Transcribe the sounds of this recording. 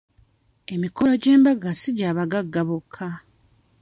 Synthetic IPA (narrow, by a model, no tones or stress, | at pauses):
e̞miko̞lo̞ɟe̞ːmbaɡasiɟaːβaɡaɡːaβokʰːa